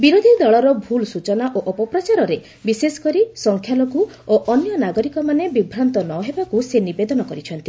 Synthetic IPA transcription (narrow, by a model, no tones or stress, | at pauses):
biɾod̪ʱid̪ɔɭɔɾɔbʱulsut͡ʃɔnaʔoʔɔpɔpɾat͡ʃaɾɔɾe | bisesɔ̥kɔɾisɔŋkʰjalɔku | oʔɔnjɔnaɡɔɾikɔmanebibʱɾant̪ɔnɔɦebakusenibed̪ɔnɔkɔɾit͡ʃʰɔnt̪i